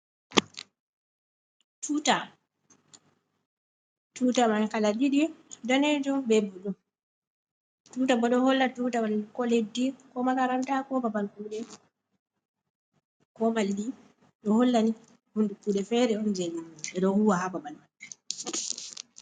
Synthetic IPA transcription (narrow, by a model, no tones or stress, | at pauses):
tʰuta | tuːtamankalaɗiɗidɔned͡ʒɔmbɛbɔɗɔm | tutabɔɗɔhɔlːatuːtaalkɔledːikɔmalaɾantakɔbabalkuːɗɛ | kɔmaldi | ɗɔhɔlːani | hundukuːɗɛfɛɾɛɔnd͡ʒenumɛɗɔhuwahababalman